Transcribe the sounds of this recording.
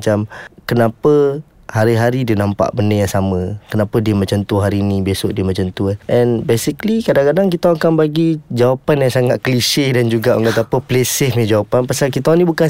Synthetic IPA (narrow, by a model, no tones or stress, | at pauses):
t͡ʃamkənapə | haɾiɦaɾidinampa̰ʔbəndəjaŋsamə̃kənapədiəmat͡ʃant̪uɦaɾiːnĩbesʊʔdiəmat͡ʃant̪uʔɛnbesiklikadaŋkadaŋk̬it̪auŋkaŋbaɡid͡ʒawapanjaŋsaŋat̪̚kəliʃɪhdand͡ʒuɡaʔoŋkat̪apəpəlesɪhmed͡ʒawapanpasalk̬it̪anĩbukan